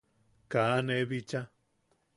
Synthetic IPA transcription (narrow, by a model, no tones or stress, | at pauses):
kaneβit͡ʃa